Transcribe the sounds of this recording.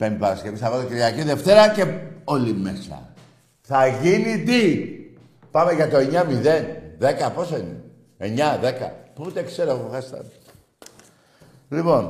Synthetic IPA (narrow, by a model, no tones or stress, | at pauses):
pend̪ipɐɾɐske̞visθɐvalociɾʝɐciðe̞ft̪e̞ɾɐce̞o̞lime̞sɐ̰ | θɐʝinit̪i | pɐme̞ʝɐt̪o̞e̞ɲɐmiðe̞nðe̞kɐpo̞soine | eɲɐðe̞kɐ̰put̪ekseɾouθɐst̪ɐ̰ | lipo̞n